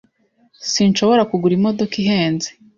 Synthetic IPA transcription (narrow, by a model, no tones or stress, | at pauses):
sinʃo̞βo̞ɾakuɡuɾimo̞do̞kiɦe̞ːnze̥